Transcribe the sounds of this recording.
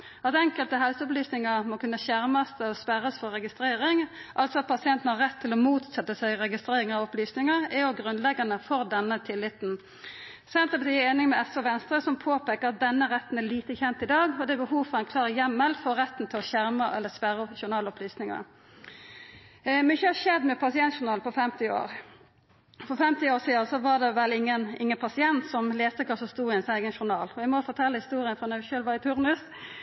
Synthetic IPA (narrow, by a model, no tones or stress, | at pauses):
ʔɑt̪ɛŋkəlt̪əɦɛlsəʊplyːsnɪŋɑmɔkʉnːəçæʁmɑst̪ɔspæɾəsfɔʁːɛɡɪst̪ɾeːɾɪŋʔɑlt̪sɔɑt̪̚pʰɑsɪɛnt̪n̩hɑʁɛt̪ʰːɪlɔmuːt̪sɛt̪ːəsæɪʁɛɡɪst̪ɾeːʁɪŋɑʋɔplyːsnɪŋəɛjɔɡʁʉnlɛɡɑnəfɔɾd̪ɛnːət̪ʰɪlːɪt̪n | sɛnt̪əpɑt̪ʰiːeːnɪŋmɛɛsɔʋɛnst̪ɾəsɔmpʰoːpeːkəʁɑt̪̚d̪ɛnːəʁɛt̪ːn̩æliːt̪əçɛnt̪ɪd̪ɑːɡɔd̪ɛbəhuːʋfɔʁæɪnkʰlɑːʁjɛmːəlfɔʁɛt̪ːn̩t̪ʰɪlɔçæɾmɑʔɛ̰lːəspæɾːʃʊɳɑːlɔplyːsnɪŋɑ̰ | mɪçːəhɑʃɛd̪mɛpʰɑsɪɛnt̪ʃʊnɑːlfɔfɛmt̪ɪo̰ːɾ | fɔfɛmt̪ɪoːsiːɑsɔʋɑd̪ɛʋɛlːɪŋːənɪŋːənpʰɑsɪɛnt̪sɔmleːst̪əkʰɑsɔst̪uːʁɪɛnsæɪɡənʃʊnɑːlɔæɪmɔfɔʈ̪ʰɛlːəhɪst̪uːʁɪənfʁɑnœçøːlʋɑːɪt̪ʰʉɾnʉs